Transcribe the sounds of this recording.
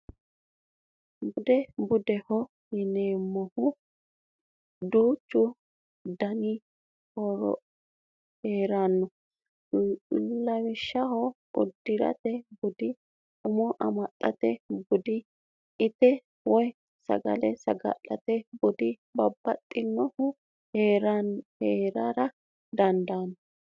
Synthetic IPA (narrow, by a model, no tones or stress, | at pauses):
bʊd̪ɛbʊd̪ɛhɔ | jɪneːmːɔhʊ | d̪uːt͡ʃːʊ | d̪ɐnɪ | hɔɾɔ̰ | heːɾanːɔ | llːɐwɪʃːɐhɔ | ʊd̪ːɪɾɐ̰t̪ɛbɔd̪ɪ | ʊmɔʔɐmɐtʼːɐt̪ɛbɔd̪ɪ | ɪt̪ɛ | wɔj | sɐ̰ɡɐ̰lɛsɐɡɐ̰ʔʼɐt̪ɛbɔd̪ɪ | bɐbːɐt̪ʼːɪnːɔhʊ | heːɾanheːɾɐɾɐ | d̪ɐnd̪aːnːɔ